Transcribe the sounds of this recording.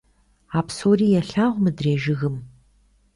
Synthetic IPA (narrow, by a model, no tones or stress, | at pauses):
aːpsoːriːjɛɬaːʁʷmɨdreːʒɪɣɨm